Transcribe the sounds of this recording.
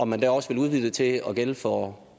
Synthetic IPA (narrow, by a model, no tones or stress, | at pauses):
ɒ̽mænd̥æɐɒ̽sʋe̝luð̞ˠʋið̥ˠət͡sʰe̝ɒ̽ɡ̥elfɒ